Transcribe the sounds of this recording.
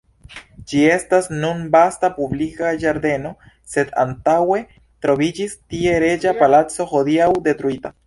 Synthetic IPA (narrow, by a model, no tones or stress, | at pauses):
d͡ʒie̞stasnunbastapublikad͡ʒaɾde̞no̞ | se̞da̰ntawe̞ | tɾo̞vid͡ʒistie̞ɾe̞d͡ʒapalat͡so̞xo̞diawde̞tɾuita